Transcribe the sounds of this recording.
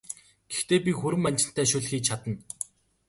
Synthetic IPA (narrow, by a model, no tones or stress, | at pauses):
ɡ̥ext̪eːpʲixɵɾɘ̆manʲt͡ɕɪ̆n̥t̪ʰæːʃɵɮxiːkt͡ɕʰat̪ə̆n